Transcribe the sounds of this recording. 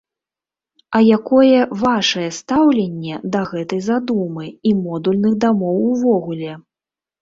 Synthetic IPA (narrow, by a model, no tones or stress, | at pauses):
ɐjakɔjɛvaʂɐjɛst̪awlʲenʲːɛd̪ɐɣɛt̪ɐjzad̪umɨimɔd̪ulʲnɨɣd̪amɔwuvɔɣulʲɛ